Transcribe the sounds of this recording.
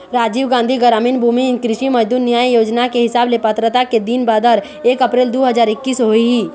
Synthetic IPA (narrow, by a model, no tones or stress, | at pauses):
ɾaːd͡ʒiːʋɡãːnd̪ʱiɡəɾaːmɪnbʱuːmikɾɪʃimɐd͡ʒd̪uːɾnjaːjjoːd͡ʒnakeɦɪsaːblepət̪ɾət̪aked̪iːnbaːd̪əɾ | eːkɐpɾeːld̪oːɦɐzaːɾɪkːiːsɦoiɦiː